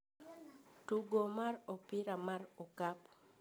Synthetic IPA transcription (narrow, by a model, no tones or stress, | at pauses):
tuɡomarɔpɪɾamarɔkap